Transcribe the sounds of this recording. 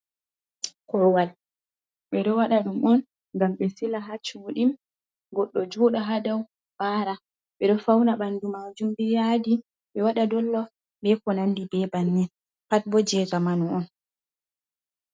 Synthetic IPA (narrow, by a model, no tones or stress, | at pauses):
kɔwal | ɓɛɗɔwaɗaɗumʔɔn | ŋɡamɓɛsilaɦat͡ʃuɗim | ɡɔɗːɔd͡ʒuːɗaɦadaw | b̥aɾa | ɓɛɗɔfawnaɓandumad͡ʒumbijadi | ɓɛwaɗadɔlːɔ | ɓɛkɔnanːdibɛbanːin | pat̚bɔd͡ʒɛːzamanɔɔn